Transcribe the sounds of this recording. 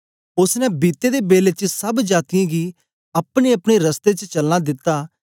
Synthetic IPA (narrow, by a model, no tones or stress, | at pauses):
ʊsnɛ̃biːt̪ːed̪ebeːlet͡ʃsɐbd͡ʒaːt̪ɪjãɡi | ɐpɽ̃eɐpɽ̃eɾɐst̪et͡ʃət͡ʃɐlnad̪ɪt̪ːaː